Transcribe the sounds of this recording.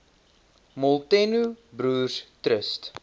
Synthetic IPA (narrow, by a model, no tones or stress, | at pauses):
mɔlˠtɛnubɾuːrstrəst